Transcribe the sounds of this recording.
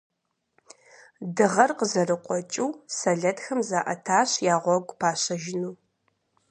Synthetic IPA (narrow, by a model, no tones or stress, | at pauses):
dɨʁɐrqəzɐrɨqʷʼɔt͡ʃʼiwsɐɮɐtʰxɐmzaːʔɐ̰tʰaːɕjaːʁʷɔɡʷʼpʰaːɕɐʒɪnuː